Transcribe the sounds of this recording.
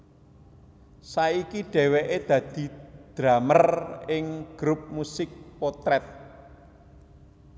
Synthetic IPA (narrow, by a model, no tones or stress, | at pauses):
saikiɖ̥ɛ̤weʔed̪̥ä̤d̪̥i̤d̪̥ɾamərɪŋɡ̥ɾup̚musɪk̚pɔt̪ɾɛt̪̚